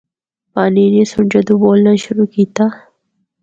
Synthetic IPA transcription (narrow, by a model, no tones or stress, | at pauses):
paːniːnesʊɳd͡ʒɐd̪uboːlnɐʃʊɾuːkiːt̪aː